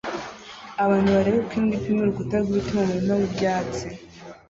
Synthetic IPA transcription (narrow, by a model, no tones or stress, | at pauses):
aβaːn̥huβaɾeβekwiːndipimuɾuɡutaɾɡwitumaβiɾimaβubɟaːt͡si